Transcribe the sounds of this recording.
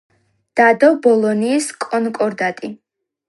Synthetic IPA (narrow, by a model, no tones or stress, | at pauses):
d̪̥ad̪ɔbɔlˠɔniːskʼɔnkʼɔɾd̪at̪ʼi